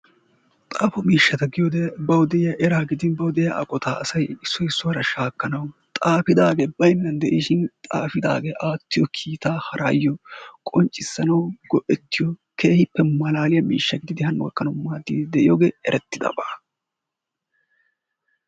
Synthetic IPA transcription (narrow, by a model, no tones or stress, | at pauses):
t̪ʼaːfɔmiːʃːɐt̪ɐɡɪjɔd̪ɛbɐwd̪ɛɪjɐʔɛɾaːɡɪd̪ɪnbɐwd̪ɛjɐʔɐ̰kʼɔt̪aɐsɐjɪsːɔjɪsːɔwɐɾɐʃaːkːɐnɐwt̪ʼaːfɪd̪aːɡebɐjnːɐnd̪ɛʔiːʃɪnt̪ʼaːfɪd̪a̰ːɡeʔaːt̪ːɪjɔkʰiːt̪aːhɐɾʔaːjːɔkʼɔnt͡ʃʼːɪsːɐnɐwɡɔʔɛt̪ːɪjɔkʰe̞ːhɪpːɛmɐlaːlɪjɐmḭːʃːɐɡɪd̪ɪd̪ɪhɐnwɔ̰kːɐnɔmːaːd̪id̪ɛʔɪjɔɡeːɛɾʔɛt̪ːɪd̪ɐ̰baː